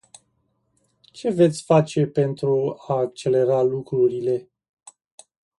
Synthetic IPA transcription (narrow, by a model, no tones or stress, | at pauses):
t͡ʃe̞ve̞t̪sʲfat͡ʃe̞pe̞nt̪ɾuaːk̚t͡ʃe̞le̞ɾalukɾuɾile̞